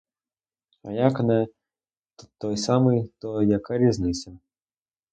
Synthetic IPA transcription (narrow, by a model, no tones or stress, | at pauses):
ɐjakɐnɛ | t̪t̪ːɔjsamɨjt̪ɔjakɐɾʲiznɨsʲɐ